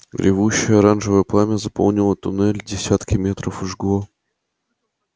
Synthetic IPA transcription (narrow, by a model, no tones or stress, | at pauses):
ɡɾʲɪ̰vuɕːɪjəɐɾanʐɨvəjəplˠamʲəzɐpo̰lˠnʲɪlˠət̪ʊnɛlʲdʲɪsʲat̪kʲɪmʲeɛt̪ɾəfɨʐɡlˠo